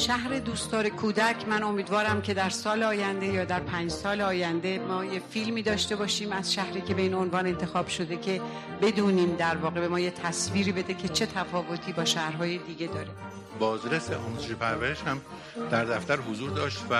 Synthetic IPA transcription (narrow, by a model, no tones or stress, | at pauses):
ʃæhɾe̞d̪uːst̪ɒːɾe̞kʰuːd̪æcʰmæno̞miːd̪vɒːɾæmcʰe̞d̪æɾsɒːleɒːjænd̪e̞jɒːd̪æɾpʰæːnd͡ʒsɒːleɒːjænd̪e̞mɒːje̞filmiːd̪ɒːʃt̪e̞bɒːʃiːmæz̥ʃæhɾiːcʰe̞be̞iːno̞nvɒːne̞nt̪ʰe̞xɒːb̥ʃo̞d̪e̞cʰe̞ | be̞d̪uːniːmd̪æɾvɒːɣe̞be̞mɒːjet̪ʰæsviːɾibe̞d̪e̞cʰe̞t͡ʃʰe̞t̪ʰæfɒːvo̞t̪ʰiːbɒːʃæhɾɦɒːjed̪iɟʲe̞d̪ɒːɾe | bɒːzɾeseʔɒ̰ːmuzeʃepʰæɾvæɾeʃhæm | d̪̥æɾd̪æft̪æɾɦozuːɾd̪ɒːʃt̪væ